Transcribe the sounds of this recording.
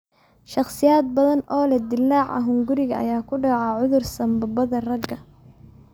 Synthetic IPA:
ʃɑχsɪjaːd̪̚bɐðɐnɔːlɛd̪ɪlːaːʕɐ̰ɦʊŋɡʊɾɪɣɐɐ̰jaːkʰʊɖɑʕɑːʕʊðʊrsɐmbɐbɐðɐrɐɡɐ

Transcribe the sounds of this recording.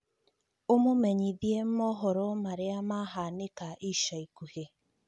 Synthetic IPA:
omomeɲiðiem̩mɔɦɔɾɔmaɾɪamaɦanɪkaʔiʃaikuhe

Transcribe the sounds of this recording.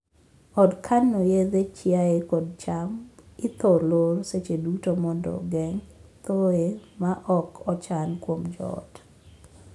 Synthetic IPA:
ɔdkʰanːojed̪et͡ʃɪaekɔd̚t͡ʃamɪt̪oloɾset͡ʃedutomɔndɔ̰ɡɛŋt̪oemaʔɔkʰɔt͡ʃankwomd͡ʒɔ̰t

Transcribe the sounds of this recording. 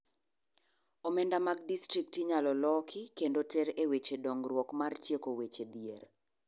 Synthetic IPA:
omɛndamaɡ̚distɾik̚tiɲalɔlɔkʰɪkendotɛɾewet͡ʃedɔŋɡrwɔkmart͡ʃjekowet͡ʃed̪jer

